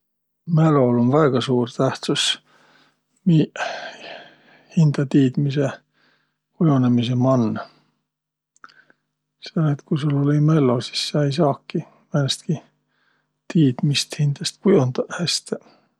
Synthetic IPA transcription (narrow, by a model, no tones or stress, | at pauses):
melo̞lonvæeɡ̥ɑsuːrt̪æht̪sus | mi | hind̪̥ɑt̪iːd̪̥mise | kujonemis̬emɑnː | senet̪kusulolimelːolsi̥sːɑejs̬ɑːkːi | mænest̪̚ki | t̪iːd̪̥mist̪hind̪̥ɑst̪kujond̪̥ɑæst̪e